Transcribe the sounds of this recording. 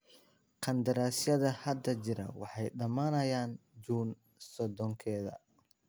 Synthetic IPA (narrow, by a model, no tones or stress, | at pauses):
qʰɐnd̪ɐɾaːsjɐðɐhɐd̪ɐt͡ʃɪɾɐ̰wɑ̰ħɑjɖɐmaːnɐjaːnd͡ʒuːn | sɔd̪ɔŋkʰɛːðɐ̰